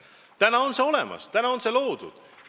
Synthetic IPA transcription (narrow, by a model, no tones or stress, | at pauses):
t̪ænɑo̞nseo̞le̞̰mɑ̰st̪ænɑo̞nse̞lo̞ːd̪̥ṵd̪̥